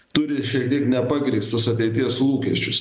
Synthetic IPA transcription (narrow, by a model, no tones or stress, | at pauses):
t̪ʊɾʲɪʃʲiɛkt̪ʲiɛknʲɛpɑɡɾʲiɪst̪ʊsɐt̪ʲɛɪt̪ʲiɛslˠuːkʲiɛʃʲt͡ʃʲʊs